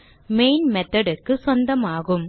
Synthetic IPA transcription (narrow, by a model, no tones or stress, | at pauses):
meːjnmet̪ːɐɽekːɨswɐnd̪ɐmaːɣum